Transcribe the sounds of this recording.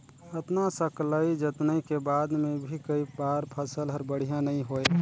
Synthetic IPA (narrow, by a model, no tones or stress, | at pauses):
ət̪nasəkləid͡ʒət̪nəikebaːd̪mẽbʱikəipaːɾpʰəsəlɦəɾbəɽ̤ijãnəĩɦoe